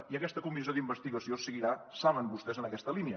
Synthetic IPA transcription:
iəkɛst̪əkumizijoðimbəst̪iɣəsiosəɣiɾasaβəmbust̪ɛzənəkɛst̪əliniə

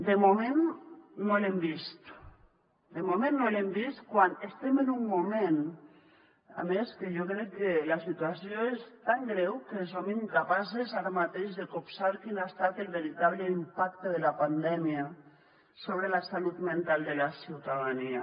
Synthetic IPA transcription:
d̪emomẽnːolembist̪ | d̪emomẽnːolembist̪kwanest̪emenumːumẽn | a̰meskeʒokɾɛkːelasit̪uasjoest̪aŋɡɾɛwkesomiŋkapasezaɾamat̪eʒðekopsaɾkinaest̪at̪elβeɾit̪aβleimpakt̪eðelapand̪ɛmia | soβ̞ɾelasalut̪mẽnt̪alˠd̪elasiwt̪aðania

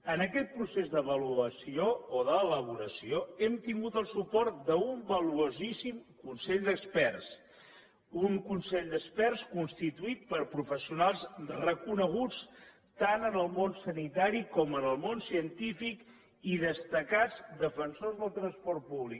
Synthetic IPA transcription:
ənəkɛt̪̚pɾusezd̪əβəluəsiooðəːləβ̞uɾəsioɛmt̪iŋɡut̪əlˠsupɔɾt̪d̪əumbəluozisimkunsɛʎd̪əkspɛrs | uŋkunsɛʎd̪əkspɛrskunst̪it̪uit̪̚pəɾpɾufəsiunalˠzrəkunəɣ̞ut͡s | t̪anənəlˠmonsənit̪aɾikɔmənəlˠmonsiənt̪ifik | iðəst̪əkad͡zd̪əfənsozðəlˠt̪ɾənspɔɾt̪̚puβlik

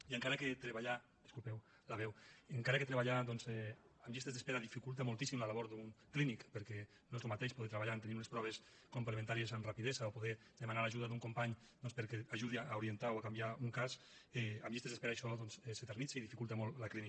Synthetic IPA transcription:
iəŋkaɾaket̪ɾeβaʎa | d̪e̥skulpɛw | laβɛweŋkaɾaket̪ɾeβaʎad̪ɔnzɛamʎist̪ezðespeɾaðifikulˠt̪emolˠt̪isimlalaβɔɾd̪uŋklinikpeɾkɛ | nɔzɾumat̪eʃpoðet̪ɾeβaʎant̪eniɾunespɾɔβ̞es | kumplemẽnt̪aɾiezamrapiðezaopoðɛ | d̪emanalaʒuðaðuŋkompaɲ | d̪ɔnspeɾkeaʒuðiaauɾient̪awakambjauŋkas | ɛamʎist̪ezðespeɾaejʃɔðɔnsɛset̪eɾnit͡seiðifikulˠt̪emɔllaklini

